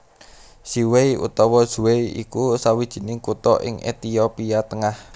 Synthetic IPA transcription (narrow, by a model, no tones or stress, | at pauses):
siwejʔṵt̪ɔwɔ̥ʒ̥uweiḭkusawid̥ʒ̥i̤nɪŋkut̪ɔʔɪ̰ŋʔḛt̪iopiat̪əŋah